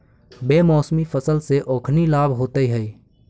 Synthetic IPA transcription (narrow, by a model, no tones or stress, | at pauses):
beːmɔːsmipʰəsəlseʔoːkʰnilaːbʱɦoːt̪əiɦəi